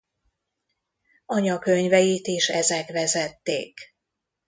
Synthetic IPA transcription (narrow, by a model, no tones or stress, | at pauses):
ɒɲɒkøɲvɛjit̪iʃɛzɛkʋɛzɛt̪ːḛːk